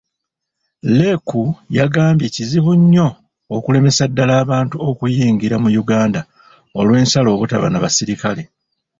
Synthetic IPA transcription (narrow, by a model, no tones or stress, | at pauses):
lekujaɡaːmbje̞ciziβuɲːo̞ː | kule̞me̞sadːalaːβaːntuokujiːŋɡiɾamujuɡaːnda | o̞lwe̞ːnsalo̞ːβutaβa̰naβasiɾikale̞